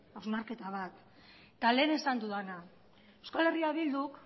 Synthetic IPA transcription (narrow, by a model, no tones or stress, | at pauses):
awznaɾke̞t̪aβ̞at̪ | t̪ale̞ːne̞sand̪uðana | ewskale̞riaβild̪uk